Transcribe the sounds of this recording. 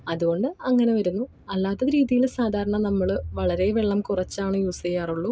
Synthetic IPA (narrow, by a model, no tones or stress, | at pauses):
ɐðuɣo̞ɳɖɨɐŋːɐne̞ʋɐɾunːu | ɐlːaːt̪ːɐɾiːðijilsaːd̪ʱaːɾɐɳɐnɐmːɐɭɨʋɐɭɐɾe̞ʋeɭːɐmkurɐt͡ɕːaːɳɨjuːsejaːruɭːu